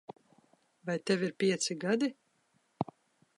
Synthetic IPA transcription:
vajt̪ɛviɾpʲiɛt̪siɡad̪i

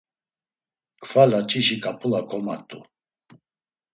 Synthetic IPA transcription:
kʰfalat͡ʃʼiʃikʼapʰʼulakʰɔmat̪ʼu

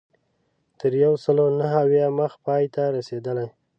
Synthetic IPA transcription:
t̪əɾjawsəlonaɦawjaməxpɑjt̪aɾased̪əlaj

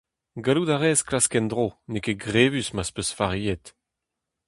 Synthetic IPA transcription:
ɡalud̪aʁɛːsklaskɛnd̪ʁonekeɡʁeːvysmaspøsfaʁiɛt̪

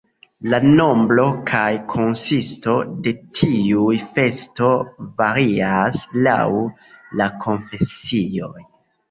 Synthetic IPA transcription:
lano̞mblo̞kʰajkʰo̞nsisto̞de̞tʰiujfe̞sto̞vaɾiasla̰w | lakʰo̞ɱfe̞sio̞j

